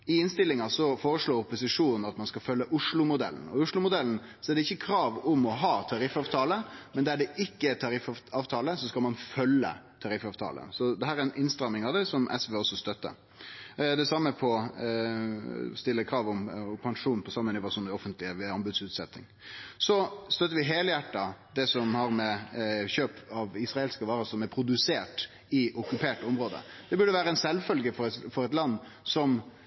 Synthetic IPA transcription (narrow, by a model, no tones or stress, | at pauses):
ɪɪnst̪ɪlːɪŋɑsɔfoːɾəʂloːɾʊpːʊsɪʂuːnn̩ɑt̪mɑnskɑlfœlːəʔʊʂlʊmʊd̪ɛ̰ln̩ɔ̰ʊʂɭʊmʊd̪ɛln̩ | sɔɛɖɛɪçːəkʰɾɑːʋʊmɔɦɑːt̪ʰɑɾɪfɑːʋt̪ʰɑːləmɛnd̪æɖɛʔɪkːəɛt̪ʰɑɾɪfɑːʋt̪ʰɑːləsɔskɑlmɑnfœlːə̰t̪ʰɑɾɪfɑːʋt̪ʰɑ̰ːlə̰sɔd̪ɛɦæːɾɛɾɛnʔɪnst̪ɾɑmːɪŋɑʋd̪ɛsɔmʔɛ̰sʋeːɔsɔst̪œt̪ːə̰ɾ | d̪ɛsɑmːəpʰɔ | st̪ɪlːəkʰɾɑːʋʊmpʰɑŋʂuːnpʰɔsɑmːənɪʋɑsund̪ɛɔfənt̪ʰlɪəʋɛɑmbʉd̪sʉːt̪sɛt̪ːɪ̰ŋ | sɔst̪œt̪ːəɾʋɪɦeːljæʈːɑd̪ɛsɔmhɑɾmɛçøːpɑʋɪsɾɑelskəʋɑːɾəsɔmɛɾpʰɾʊd̪ʉseːʈ | ɪʊkʉpʰeːʈɔmɾoːd̪ə̰ | d̪̥ɛbʉɖəʋæːɾəɛnsɛlfœlɡəfɔɾɛfɔɾɛt̪lɑnː | sɔm